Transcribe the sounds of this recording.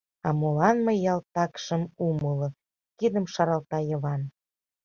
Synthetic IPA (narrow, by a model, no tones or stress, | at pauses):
ɑmolɑnməjːɑlt̪ɑkʃəmuməlɤ̆ | kid̪əmʃɑɾɑlˠt̪ɑjə̆βɑn